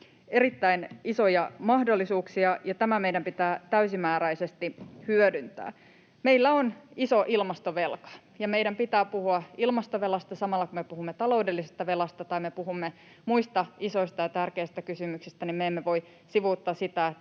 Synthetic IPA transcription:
eɾit̪ːæiniso̞jɑmɑhdolːisuːksiɑjɑt̪æmæmeijdæmpit̪æːt̪æysimæːɾæisest̪ihyødynt̪æ̰ː | meilːæonisoʔilmɑst̪oʋe̞lkɑ̥ | jɑmeiɾæmpit̪æːpuhuɑilmɑst̪oʋelɑst̪ɑsɑmɑlːɑkumepuhumːet̪ɑlo̞udelːisest̪ɑʋelɑst̪ɑt̪ɑimepuɦumːe | muist̪ɑiso̞ist̪ɑjɑt̪ærkeist̪ækysymyksist̪ænimmeemːeʋo̞i | siʋuːt̪ːɑːsit̪æe

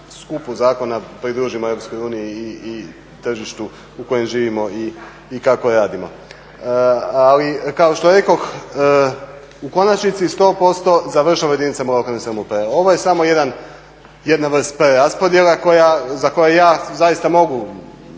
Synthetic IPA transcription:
skupuzaːko̞napɾid̪ɾuːʒimoeɾo̞psko̞juːnijiː | t̪r̩ʒiʃt̪u | uko̞je̞mʒiːʋimo̞iː | kakoɾaːd̪imo̞̰ | alikaoʃt̪oɾe̞ko̞x | uko̞nat͡ʃnit̪sist̪o̞ːpo̞st̪o̞zaʋr̩ʃaʋaje̞d̪init̪samolokalnesaɾmupeɾeo̞ʋo̞je̞samo̞je̞d̪an | je̞d̪naʋr̩st̪pɾeɾaspo̞d̪je̞lako̞jazako̞jejaːzajist̪amo̞ɡu

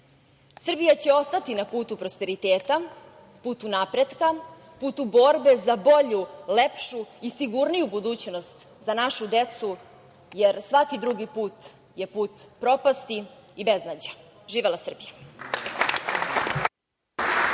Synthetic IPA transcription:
sr̩bijat͡ɕe̞o̞st̪at̪inapuːt̪upɾospe̞ɾit̪eːt̪a | puːt̪unapɾed̪ka | puːt̪ubo̞ɾbe̞zabo̞ʎulepʃuisiɡuɾnijubud̪uːt͡ɕnost̪ | zanaʃud̪et̪su | jeɾsʋakid̪ɾuɡipuːt̪ | jepuːt̪pɾo̞past̪iibeznad͡ʑaʒiːʋelˠasr̩bija

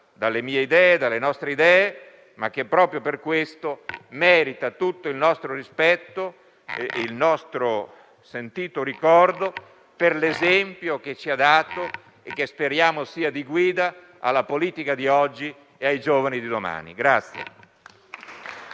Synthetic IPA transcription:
d̪alːemiːeid̪ɛːed̪alːenɔst̪ɾeid̪ɛːe | mak̟ːepːɾɔːpɾjoperkwest̪omɛːɾit̪at̪ut̪ːoilnɔst̪ɾoɾispɛt̪ːo | eilnɔst̪ɾo | sent̪iːt̪oɾikɔrd̪o | perlezɛmpjok̟et͡ʃːiad̪aːt̪o | ek̟ːespeɾjaːmosiːad̪iɡwiːd̪a | a̰lːapoliːt̪ikad̪iɔd͡ʒːi | eajd͡ʒoːvanid̪id̪oma̰ːnḭɡɾat̪sːjḛ

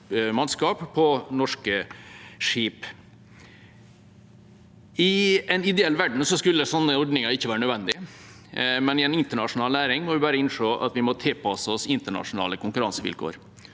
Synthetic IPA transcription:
mɑnskɑːppʰɔnɔʂkəʂiːp | ɪɛnɪd̪ɛɛlːʋæɖɳ̩sɔskʉlːəsɔnːəɔɖnɪŋɑɪçːəʋæːɾənœdʋɛnd̪ɪ | mɛnɪɛnɪnt̪əɳɑʂʊnɑːlnæːɾɪŋmɔʋɪbæːɾəɪnʂoːʔɑ̰t̪ʋɪmɔt̪ʰɪlpʰɑsəɔsɪnt̪əɳɑ̰ʂʊnɑ̰ːləkʰʊŋkʉɾɑnsəʋɪ̰lkʰo̰ːɾ

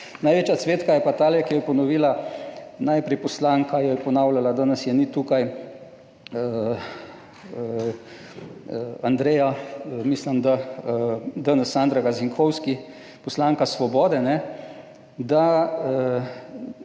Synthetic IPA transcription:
najʋeːt͡ʃjat̪sʋeːt̪kajɛpat̪aːljɛkijɔpɔnɔʋiːlanajpɾɛjpɔslaːŋkajɔjɛpɔnawlalad̪anəsjɛnit̪uːkaj | and̪ɾejamisləmd̪a | d̪ənəsand̪ɾaɡaziŋkʰɔwski | pɔslaŋkasʋɔbɔːd̪ɛnɛ | d̪a

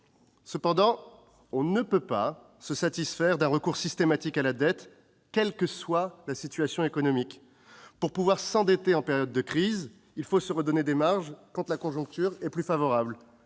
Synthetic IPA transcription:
səpɑ̃d̪ɑ̃ | ɔ̃nəpøpa | səsat̪isfɛʁd̪ɛ̃ʁəkuʁsist̪emat̪ikalad̪ɛt̪ | kʲɛlkəswalasit̪ɥasjɔ̃ekɔnɔmik | puʁpuvwaʁsɑ̃d̪et̪eɑ̃pɛʁjɔd̪ːəkχiz | ilfosəʁəd̪ɔned̪emaʁʒkɑ̃t̪lakɔ̃ʒɔ̃k̚t̪yʁɛplyfavɔʁabl

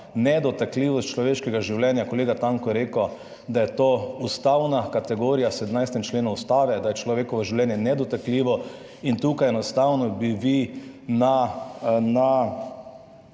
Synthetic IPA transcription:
nɛd̪ɔt̪akliːʋɔst̪̚t͡ʃlɔʋeːʃkɛɡaʒiwlɛnjakɔleːɡat̪aŋkɔjɛɾeːkɔ | d̪ajɛt̪oːust̪awnakat̪ɛɡoːɾijasɛd̪mnajst̪ɛmt͡ʃleːnuust̪aːʋɛd̪ajɛt͡ʃlɔʋeːkɔʋɔʒiwlɛːnjɛnɛd̪ɔt̪akliːʋɔ | int̪uːkajɛnɔst̪awnɔbiʋina | na

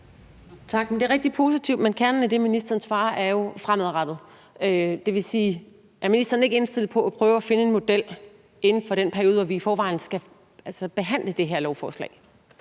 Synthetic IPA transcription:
t͡sʰɑ̈ɡ̥mend̥e̝ɐʁɛɡ̥̚d̥ipʰo̝sit͡sʰiʊ̰d̥menkʰæɐnn̩æd̥e̝minisd̥ɐːnsʋɑ̈ːʔæɐjo̝fʁamðˠʁɑd̥ð̞̩ˠ | ød̥e̝ʋe̝siː | ʔæɐminisd̥ɐːn̩eɡəe̝nsd̥e̝l̰ð̩ˠpʰɒ̽æpʰʁœːʊæfe̝nəe̝nmo̝d̥el̰ | e̝nn̩fɒ̽ɾenpʰæɐio̝ːð̩ˠʋɒʋiːfɒːʋɑ̈ɪ̰n̩sɡ̥æ | ælsəb̥e̝ɦæn̰ləd̥e̝ɦeɐ̰lɒʊfɒːslɛ̰ɪ

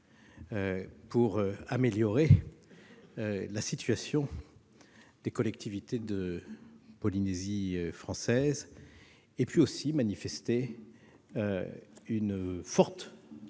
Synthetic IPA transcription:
øpuʁøameljɔʁe | ølasit̪ɥasjɔ̃ | d̪̥ekɔlɛkt̪ʰivit̪ed̪ə | pɔlineziøfχɑ̃sɛz | epɥiosimanifɛst̪e | øynfɔʁt̪

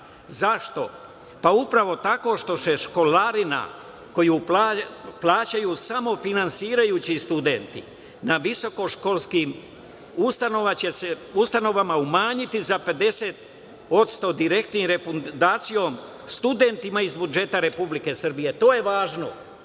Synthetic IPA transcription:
zaʃt̪o̞ | paupɾaʋo̞t̪ako̞ʃt̪o̞se̞ʃko̞laɾina̰ | ko̞juːpaplˠaːt͡ɕajuːsamo̞finansiːɾajuːt͡ɕist̪ud̪e̞nt̪ḭ | naʋiso̞ko̞ʃko̞lˠskim | ust̪ano̞ʋat͡ɕe̞se̞ust̪ano̞ʋamaumaːɲit̪izape̞d̪e̞set̪̚ | o̞t̪st̪o̞d̪iɾe̞kt̪nimɾefund̪aːt̪sijo̞m | st̪ud̪e̞nt̪imaizbud͡ʒe̞t̪aɾe̞publike̞sr̩bije̞t̪o̞ːje̞ʋaːʒno̞

